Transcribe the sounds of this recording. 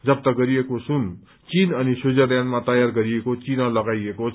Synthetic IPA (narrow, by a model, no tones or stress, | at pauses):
d͡zʌb̚t̪ʌɡʌɾiekosun | t͡sinʌnisud͡zʌdjanmat̪ʌjarɡʌɾiekot͡sinalʌɡajeko